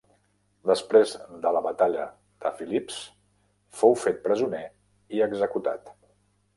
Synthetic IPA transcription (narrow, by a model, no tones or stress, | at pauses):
d̪əspɾezd̪ələβət̪aʎə | ð̥əfilips | fowfet̪̚pɾəzune | iəɡzəkut̪a̰t̪